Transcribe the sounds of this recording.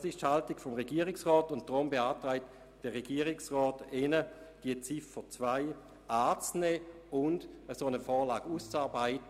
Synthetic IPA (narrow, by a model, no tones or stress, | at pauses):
sɪʃthaltiɡfɔmʁeɡiːəʁɪksʁɔːtʊnt̚d̥ʁʊmbeaːtʁaɪt | d̥əʁeɡ̥iːəʁiksʁɔːtenə | d̥iət͡sifət͡svaɪ | ʔaːt͡snɛː | ʊndəsoːnəfɔːlaːɡ̥uːst͡saːɐbaɪtə